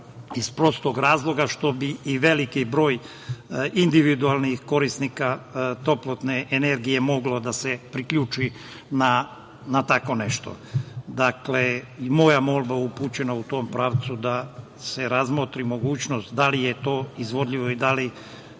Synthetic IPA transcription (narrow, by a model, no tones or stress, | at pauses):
ispɾo̞st̪oɡɾaːzlˠo̞ɡaʃt̪o̞biːʋe̞likibɾo̞ːj | ind̪iʋid̪ualˠnixko̞ɾist̪nikat̪o̞plˠot̪ne̞ʔene̞ɾɡije̞mo̞ɡlod̪asepɾikʎuːt͡ʃi | na | nat̪ako̞ne̞ʃt̪o̞̰ | d̪aklemo̞jamo̞lˠbaupuːt͡ɕe̞naut̪o̞mpɾaːʋt̪sud̪a | se̞ɾazmot̪ɾimo̞ɡuːt͡ɕno̞st̪d̪alijet̪o̞ːizʋo̞d̪ʎiʋo̞id̪ali